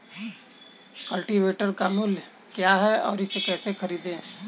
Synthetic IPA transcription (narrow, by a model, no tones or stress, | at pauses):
kəlʈiʋeːʈəɾkamʊl | kjaɦɛɔ̰ːɾɪsekɛːsekʰɐɾiːd̪ẽɛ̃